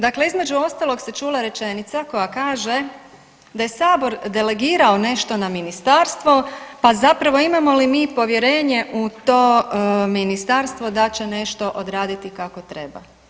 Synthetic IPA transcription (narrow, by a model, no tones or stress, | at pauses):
d̪akle̞izme̞d͡ʒuo̞st̪alˠo̞ɡset͡ʃuːlˠaɾe̞t͡ʃe̞nit̪sako̞jakaːʒe̞ | d̪ajesaːbo̞ɾd̪e̞le̞ɡiːɾao̞ne̞ʃt̪o̞naminist̪aːɾst̪ʋo̞pazapɾaʋo̞imamo̞limiːpo̞ʋje̞ɾe̞ːɲe̞ʔut̪o̞ːminist̪aɾst̪ʋo̞d̪at͡ɕene̞ʃt̪o̞ʔod̪ɾaːd̪it̪ikako̞t̪ɾe̞ba̰